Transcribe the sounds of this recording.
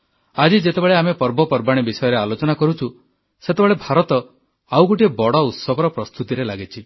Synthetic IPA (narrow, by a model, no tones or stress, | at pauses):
ad͡ʒid͡ʒet̪ebeɭeamepɔɾbɔpɔɾbaɽ̃ibisɔjɔɾealot͡ʃɔnakɔɾut͡ʃʰu | set̪ebeɭebʱaɾɔt̪ɔ | awɡuʈiebɔɽɔut̪sɔɡɔɾɔpɾɔst̪ut̪iɾelaɡit͡ʃʰi